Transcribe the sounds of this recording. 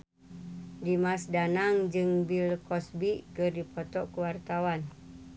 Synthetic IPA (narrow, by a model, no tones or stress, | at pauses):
dimasdanaŋd͡ʒɨŋbilkɔsbikɨrdipɔt̪ɔkuwart̪awan